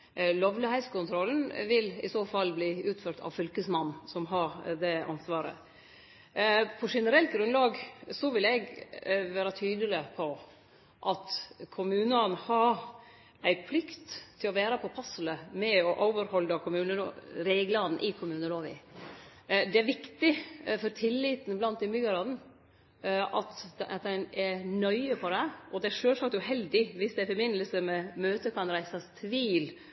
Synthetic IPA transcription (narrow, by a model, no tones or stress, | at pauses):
lɔʋlɪhæɪskʊnt̪ʰɾɔln̩ʋɪlɪ̰soːfɑlːbliːʉːt̪føːɾʈ̪ɑ̰ʋfʏlkəsmɑnːsɔmɦɑɾd̪ɛɑ̰nsʋɑːɾə̰ | pʰɔʂɛnəɾɛlt̪̚ɡɾʉnlɑːɡsɔʋɪlɛɡʋæːɾɑt̪ʰyːd̪əlɪpʰɔ | ʔɑt̪kʰʊmʉːnəɑnhɑɾ | æɪpʰlɪkt̪ʰːɪlɔʋæːɾɑpʰɔpʰɑsələmɛɔʔoːʋəɾhɔlːɑkʰʊmʉːnəɾeːɡlɑn̩ʔɪkʰʊmʉːnəloːʋɪ̰ | d̪ɛæɾʋɪkt̪ɪfɔɾt̪ʰɪlːit̪n̩blɑnt̪ɪmʏɡɑɾɑd̪n̩ | ʔɑt̪t̪̚d̪ɛnɛɾnœʏəpʰɔd̪ɛɔd̪ɛæɾʂøːlsɑk̚t̪ʉɦɛld̪ɪʋɪsd̪ɛæɾfɔɾbɪnːləlsəmɛmøːt̪əkʰɑnɾæɪsɑst̪ʰʋiːl